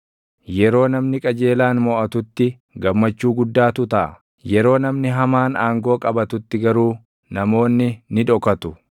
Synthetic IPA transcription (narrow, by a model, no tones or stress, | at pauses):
jɛɾo̞ːnɐmnɪkʼɐd͡ʒe̞ːlaːnmɔʔɐt̪ʊt̪ːɪ | ɡɐmːɐt͡ʃːuːɡʊd̪ːaːt̪ʊt̪ɐʔɐ̰ | jɛɾo̞ːnɐmnɪɦɐmaːnaːŋɡo̞ːkʼɐbɐt̪ʊt̪ːɪɡɐɾuː | nɐmo̞ːnːɪnɪᶑ̪ɔkɐt̪ʊ